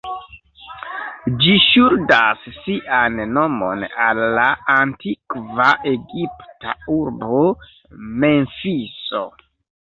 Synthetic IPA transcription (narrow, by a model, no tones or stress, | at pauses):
d͡ʒiʃuɾdasːiʔanːo̞mo̞̰nalːaantikvaʔe̞ɡipta̰uɾbo | me̞nfiso̰